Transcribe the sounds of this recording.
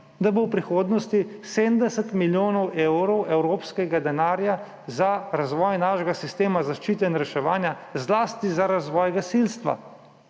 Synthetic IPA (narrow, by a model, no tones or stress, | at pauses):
d̪abowpɾixoːd̪nɔst̪iseːmd̪ɛsɛt̪miljoːnɔwʔewɾɔwɛwɾoːpskɛɡad̪ɛnaːɾja | zaɾazʋɔːjnaːʃɛɡasist̪eːmazaʃt͡ʃiːt̪ɛnɾɛʃɛʋaːnja | zlaːst̪izaɾazʋɔːjɡasilst̪ʋa̰